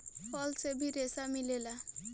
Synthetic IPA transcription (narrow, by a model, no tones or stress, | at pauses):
pɔlsebʱiɾesamilela